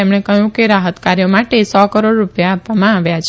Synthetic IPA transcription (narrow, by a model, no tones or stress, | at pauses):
emɽ̃ekəɦjũkeɾaɦət̪kaɾjomaʈesɔkəɾoɽɾupjaːpʋamãaʋjat͡ʃʰ